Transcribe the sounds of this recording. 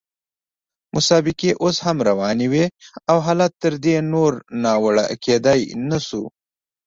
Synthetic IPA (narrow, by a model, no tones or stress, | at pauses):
mʔʊsɑbɪkeʔoshamɾawɑneweawɦɑlat̪ːəɾd̪enoɾnɑwaɽa̰ked̪ajnasṵ